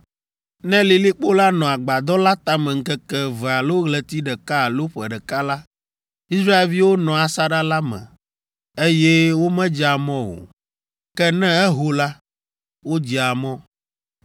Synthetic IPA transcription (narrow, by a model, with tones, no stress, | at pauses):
nɛ̃˦li˨li˦k͡po˦la˦nɔ̃˨a˨ɡ͡ba˨d̪ɔ˦la˦t̪a˦mɛ̃˨ŋ̩˦kɛ˦kɛ˦vɛ˨a˨lo˦ɣlɛ˨t̪i˦ɖɛ˨ka˦˨lo˦ɸɛ˨ɖɛ˨ka˦la˦ | i˦sɾa˦e˦˨lvi˦wo˦nɔ̃˨a˨sa˦ɖa˦la˦mɛ̰̃˨ | e˦jɛ˦wo˦mɛ̃˦d͡ʒa˨mɔ̃˦wo̰˨ | kɛ˦nɛ̃˦ɛ˦ɦo˦la˦ | wo˦d͡ʑi˨a˨mɔ̃˦